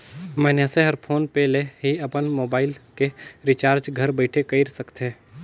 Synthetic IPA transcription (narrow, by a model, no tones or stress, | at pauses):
mɛːnjaseɦɐɾpʰoːnpɛːleɦiɐpənmoːbaːɪlkeɾɪt͡ʃaːɾd͡ʒɡʱɐɾbəɪʈʰekɐiɾsəkt̪ɦeː